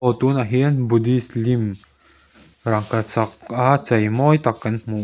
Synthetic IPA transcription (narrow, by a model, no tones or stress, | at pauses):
ɔt̪uːnaɦiənbud̪islim | ɾaŋkat͡saqat͡sajmɔjt̪akːənmu